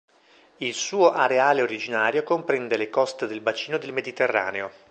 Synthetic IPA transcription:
ilsuːoʔaɾeaːleoɾid͡ʒinaːɾjokompɾɛnd̪elekɔst̪ed̪elbat͡ʃiːnod̪elmed̪it̪erːa̰ːneo

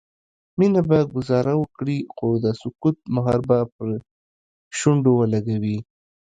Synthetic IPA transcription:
minabaɡʊzɑɾawəkɽixod̪əsʊkut̪̚maɦɑɾbapəɾ | ʃuɳɖowəlaɡawi

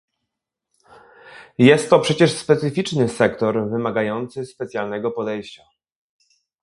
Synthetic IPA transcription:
jɛst̪ːɔpʂɛt͡ɕɛʂspɛt̪sɘfʲit͡ʂnɘsɛkt̪ɔɾvɘmaɡajɔnt̪sɘspɛt̪sʲjalnɛɡɔpɔd̪ɛjɕt͡ɕa

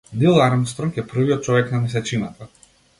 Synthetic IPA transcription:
nilˠaɾmst̪ɾɔmkʲɛpr̩viɔt̪̚t͡ʃɔvɛknamis̬ɛt͡ʃinat̪a

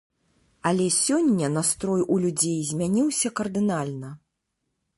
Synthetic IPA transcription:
ɐlʲɛsʲɔnʲːɐnast̪ɾɔjʔulʲud͡zʲejzʲmʲanʲiwsʲɐkɐrd̪ɨnalʲnɐ

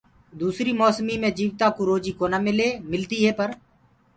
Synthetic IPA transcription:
d̪uːsɾiːmɔːsmiːmẽːd͡ʒiːʋt̪aːkoːɾoːd͡ʒiːkoːnaːmɪleːmɪlt̪iːɦɛːpəɾ

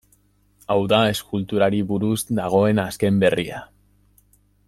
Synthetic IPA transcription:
awðae̞skult̪uɾaɾiβuɾuzd̪aɣ̞o̞enaske̞mbe̞ria̰

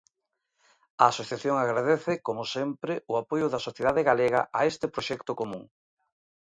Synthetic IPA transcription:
aːsoθjaθjoŋaɣɾaðeθɪkomosempɾɪʊapojʊðɐsoθjeðaðeɣaleɣɐ̰ʔaest̪ɪpɾoʃɛkt̪okomũŋ

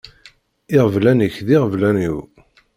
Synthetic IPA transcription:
ɪʁvlænəçðiʁəvlæniw

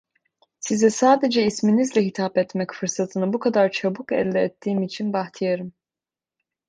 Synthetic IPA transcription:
sizɛsaːd̪ed͡ʒɛisminizlʲɛɦit̪ʰapɛt̪mɛcfɯɾsat̪ʰɯnɯbukʰad̪aɾt͡ʃʰabukɛ̰lʲːɛɛt̪ʰːiːmit͡ʃʰinbaxt̪ʰijaɾɯm

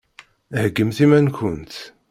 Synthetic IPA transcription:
həɡːəmθimænkənt̪

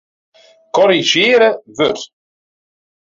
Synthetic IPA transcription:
kɔɾiʒeːɾəvøɾ

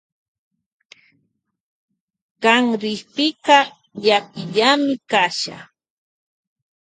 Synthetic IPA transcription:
ɢɑŋɾɪjpɪqɑ | ʎakʊʎamɪkaʃa̰

